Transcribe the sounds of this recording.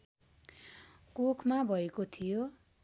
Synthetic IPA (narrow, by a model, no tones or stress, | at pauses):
kokʰmabʱʌekot̪ʰijo